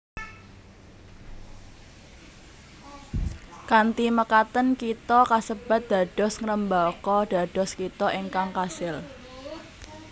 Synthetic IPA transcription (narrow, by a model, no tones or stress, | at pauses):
kant̪iməkat̪ənkit̪ɔkasəb̥a̤t̪̚d̪̥ä̤ɖ̥ɔ̤sŋəɾəmbakɔd̪̥a̤ɖ̥ɔ̤skit̪ɔʔeŋkaŋkasɪl